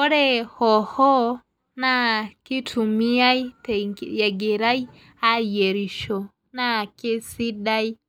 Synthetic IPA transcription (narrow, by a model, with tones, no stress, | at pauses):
ɔ˦ɾɛ˦hɔ˨hɔ˦ | na˦ki˦tʰu˨mi˦a˦i˦tja˨ɡe˨ɾa˦i˦ | a˦je˨ɾi˨ʃɔ˨ | na˦ke˦si˦ɗa˦i˦